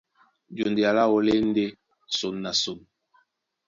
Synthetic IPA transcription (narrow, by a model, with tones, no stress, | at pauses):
d͡ʒo˨ndi˨a˨la˦wo˨le˦n̩˦de˦ | so˨nːa˨so˨n